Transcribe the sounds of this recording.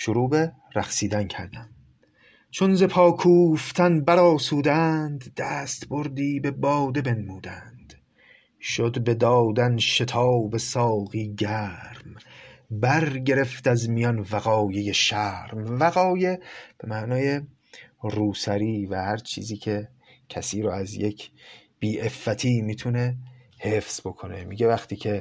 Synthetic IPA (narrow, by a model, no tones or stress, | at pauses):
ʃoɾuːbe̞ | ɾæχsiːd̪æncʰæɾd̪æm | t͡ʃʰonze̞pʰɒːkʰuːft̪ʰænbæɾɒːsuːd̪ænd̪ːæst̪bo̞ɾd̪iːbe̞bɒːd̪e̞be̞nmuːd̪ænd̪̥ | ʃod̪be̞d̪ɒːd̪ænʃe̞t̪ʰɒːbe̞sɒːɣiːɟæɾmbæɾɟe̞ɾe̞ft̪æzmijɒnvæɣɒːje̞je̞ʃæɾmvæɣɒːje̞b̥e̞mæʔnɒːje̞ | ruːsæɾiːvæhæɾt͡ʃʰḭːziːkʰe | cʰæsiːɾɔæzjekʰb̥iːʔe̞fːæt̪ʰiːmiːt̪ʰune̞ | hefz̥bo̞kʰone̞miɟevæxt̪ʰiːcʰe